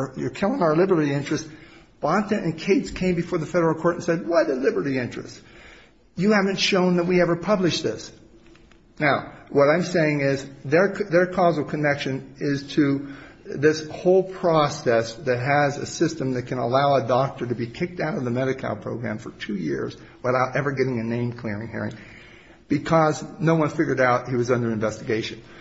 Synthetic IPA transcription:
jə˞kʰɛlˠɪ̃naə˞lɪbə˞ɾiɪ̃nt͡ʃɹ̥ɨstb̥ɑ̃ntɨ̃ʔɨ̰̃nkʰeɪtskʰẽɪ̃mbɨfɔɹðɨfɛɾə˞l̩ˠkʰɔɹɾn̩sɛd̚wʌtɨlɪbə˞ɾiɪ̃nt͡ʃɹ̥ɨ̰st | jɨhævɨ̃ntʃõʊ̃nðət̚wiɛvə˞pʰʌblɨʃðɪs | naʊwʌɾãɪ̃mseɪɪ̃ŋɪzðə˞ðə˞kʰɔzl̩ˠkʰɨnɛkʃɨ̃nɪz̥tʰɨ | ðɪshoʊlˠpʰɹ̥ɔsɛsðɨt̚ɦɨzɨ̰sɪstɨ̃mðɨt̚kʰɨ̃nə̰laʊədɔk̚tə˞ɾɨbikʰɪk̚taʊɾʌvðɨmɛɾɨkʰa̰lˠpʰɹ̥oʊɡɹæ̰̃ɱfə̰˞tʰʉjɪ̰ɹz | wəθaʊɾʔɛvə˞ɡɛɾɪ̃ŋɨnẽɪ̃mkʰl̥ɪɹɪ̃ŋhɪ̰ɹɪ̰̃ŋ | b̥ɨkʰʌznoʊwʌ̃nfɪɡjə˞ɾaʊt̚hiwʌzʌ̃ndə˞ɨ̃ɱvɛstɨɡeɪʃɨ̃n

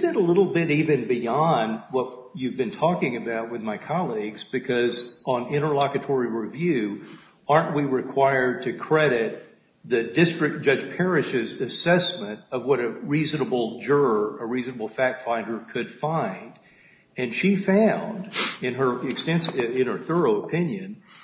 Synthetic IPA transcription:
zðɨɾəlɪɾl̩ˠbɪɾivɨ̃nbiɑ̃n̚wʌt͡ʃ̚ | ʉvbɨ̃ntʰɔkɪ̃ŋɨbaʊt̚wɨðmaɪkʰɑlˠiɡzbɨkʰʌzə̃n̩ɪ̃ɾ̃ə˞lɑkɨtʰɔɹiɹivjʉ | ɑɹnʔwiɹɨkʰw̥aɪə˞d̚tʰɨkʰɹ̥ɛɾɪt̪̚ | ðɨdɪstɹ̥ɨk̚d̥ʒ̥ʌ̥d͡ʒpʰɛɹɨʃɪzɨsɛsmɨ̃ntʌvwʌɾɨɹiznəbl̩ˠd͡ʒʊ˞ə˞əɹiznəbl̩ˠfæk̚tfãɪ̃ndə˞kʰɨd̥fãɪ̃nd | ɨ̃nʃifãʊ̃ndɨ̃nə˞ɨkstɛ̃nsɪ̃nə˞θɜ˞oʊəpʰɪ̃njɨ̃n

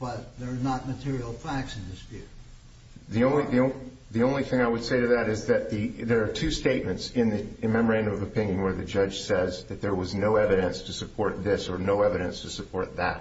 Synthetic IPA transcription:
b̥ʌt̪̚ðə˞nət̚mɨtʰɪɹil̩ˠfæk̚sɨ̃nðɪsvjʉ | ðiõʊ̃nliðiõʊ̃ | ðiõʊ̃nliθɪ̃ŋaɪwɨd̥seɪɾɨðɨɾɨzðɨt̪̚ðiðə˞ːtʰʉsteɪt̚mɨ̃ntsɪ̃nðɨmɛmə˞æ̃ndɨ̃mʌvɨpʰɪ̃njɨ̃nwə˞ðɨd͡ʒʌd̥ʒ̥sɛzðɨt̪̚ðə˞wʌznoʊɛvɨɾɨ̃nstʰɨsɨpʰɔɹt̪̚ðɪsə˞noʊɛvɨɾɨ̃nstʰɨsɨpʰɔɹt̪̚ðæ̰t̚

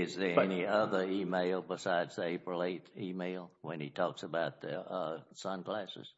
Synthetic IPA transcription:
ɪzðə˞ɛniʌðə˞imeɪlˠbəsaɪdz̥ðɪpʰɹəleɪɾimeɪlˠwɨ̃nitʰɔksəbaʊt̪̚ðɨ̰ʌsʌ̃nɡlæsɨ̰z̥

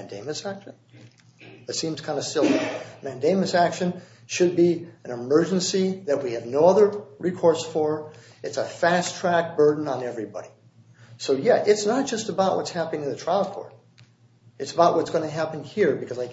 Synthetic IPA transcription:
ndẽɪ̃mɨsækʃɨ̃n | ðɨtsĩmz̥kʰãɪ̃ndɨstɪlˠmæ̃ndẽɪ̃mɨsækʃɨ̃n | ʃɨd̚biɨ̃nɨmɜ˞d͡ʒɨ̃n̩siðɨt̚wiɨvnoʊʌðə˞ɹikʰɔɹsfə˞ | ɨtsəfæstʰɹ̥æk̚b̥ɜ˞dⁿn̩ə̃nɛvɹibɑ̰ɾi | soʊjæʔɨtsnət̚d̥ʒ̥ʌstəbaʊʔ̚wʔʌ̰tshæpənɪ̃ŋɨ̃nðɨtʰɹ̥aɪlˠkʰɔ̰ɹɾ | ɨtsəbaʊʔwʌtsɡ̥ʌ̃nɨɦæpn̩hiɹbɨkʰʌzaɪk

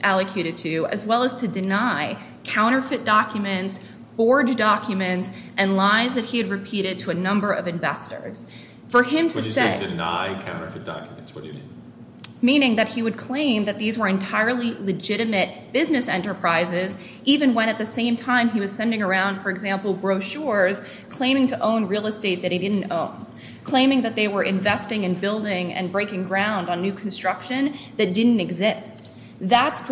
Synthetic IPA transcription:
ʔælˠɨkʰj̥ʉɾɨd̚tʰʉɨ̰zwɛlˠəz̥tʰɨdɨnaɪ | kʰãʊ̃ɾ̃ə˞fɨt̚d̥ɑkʰjɨmɨ̃nts | b̥ɔɹd͡ʒdɑkʰjɨmɨ̃nts | ʔɨ̃nlaɪzðɨt̚hiɨd̚ɹɨpʰiɾɨd̚tʰəːnʌ̃mbə˞ʔʌvɨ̃ɱvɛstə̰˞z̥ | fə˞ɪ̃mtʰɨsedɨna̰ɪkʰã̰ʊ̃ñə̰˞fɨt̚d̥ɑ̰kjmɨ̃ntswʌt̚d̥ɨi | mĩnɪ̃ŋðɨt̚hiwɨd̚kʰl̥ẽɪ̃mðɨt̪̚ðizwə˞ɨ̃ntʰaɪə˞lˠilɨd͡ʒɪɾɨmɨt̚b̥ɪznɨsɛ̃ntə˞pʰɹ̥aɪzɪz | ivɨ̃nwə̃ɾ̃ɨt̪̚ðɨsẽɪ̃mtʰãɪ̃miwʌz̥sɛ̃ndɪ̃ŋə˞ãʊ̃nd̥fə˞ɨɡzæ̃mpl̩ˠbɹoʊʃʊɹz̥ | kʰl̥ẽɪ̃mɪ̃ŋtʰɨʔõʊ̃nɹilˠəsteɪt̪̚ðɨɾ̚ɪdɪdⁿn̩tõ̰ʊ̃n | kʰl̥ẽɪ̃mɪ̃ŋðɨt̪̚ðeɪwə˞ʔɨ̃ɱvɛstɪ̃ŋɨ̃nbɪlˠdɪ̃ŋɨ̰̃nbɹeɪkɪ̃ŋɡɹãʊ̃ndn̩ːʉkʰn̩stɹ̥ʌkʃɨ̃nðɨt̚d̥ɪdⁿn̩tɨɡzɪstt̚ | ðætsp

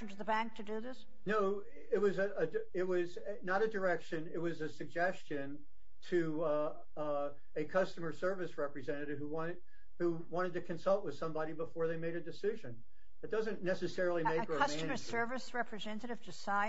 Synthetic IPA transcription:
n̩tʰɨðəbæ̃ŋk̚tʰɨdɨðɪs | noʊ | ɪt̚wʌzɨɨ | ɪt̚wʌz | nəɾɨdə˞ɛkʃɨ̃nɪt̚wʌzɨsɨɡ̚d͡ʒɛst͡ʃɨ̃n | tʰɨ | ɨkʰʌstɨmə˞sɜ˞vɨsɹɛpɹizɛ̃ñɨɾɨv̥huwɑ̃ɨd̚ | hu | wɑ̃ɾ̃ɨd̚tɨkʰɨ̃nsʌlˠt̚wɨð̥sʌ̃mbɑɾibəfɔɹðeɪmeɪɾɨdɨsɪʒɨ̃n | ðɨt̚d̥ʌzɨ̃nːɛsɨsɛɹl̩ˠimeɪkəʌmsæ̃nə˞sɜ˞vɨsɹɛpʰɹɨzɛ̃nɨɾɨv̥tʰɨsãɪ

